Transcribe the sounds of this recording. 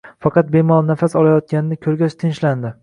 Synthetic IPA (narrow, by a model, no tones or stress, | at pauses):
fɑqʰɑt̪̚bemɒlˠnafasɒlˠajɒt̪̚kʲanɪnɪkʲʰɵɾɡʲat͡ʃt̪ʰɪnʃland̪ɪ